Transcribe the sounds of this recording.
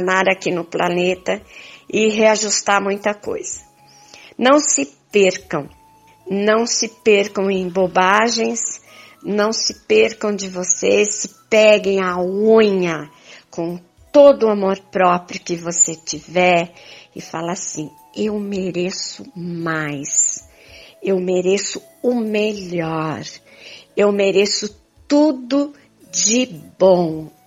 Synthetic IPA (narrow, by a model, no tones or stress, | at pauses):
naɾakinʊplanet̪ɐɪɦeaʒust̪aɾmũj̃t̪ɐko̰jz̥ɐ | nɐ̃w̃sɪpeɾkɐ̃w̃ | nɐ̃w̃sɪpeɾkɐ̃w̃ẽj̃bobaʒẽj̃s | nɐ̃w̃sɪpeɾkɐ̃w̃d͡ʒɪvosesɪpɛɡẽj̃auɲɐ | kõ | t̪od̪ʊamoɾpɾɔpɾjʊkɪvoset͡ʃivɛɾɪ̰falɐasĩ | ewmeɾesʊmajs | ewmeɾesʊ | ʊmeʎɔɾ | ewmeɾesʊ | t̪ud̪ʊ | d͡ʒɪbõw̃